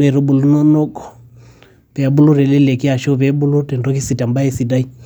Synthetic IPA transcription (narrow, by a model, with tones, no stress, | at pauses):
ɾɛ˨ɾu˦ɓu˨lu˦nɔ˦nɔ˦kɔ˨ | pɛ˨a˨bu˦lu˦ɾɛ˨li˦lɛ˨ki˦a˨ʃɔ˦βɛ˨˦bu˦lu˦tɛ˨ndɔ˦ki˦si˨ta˨mba˦ɛ˦si˨da˦i˦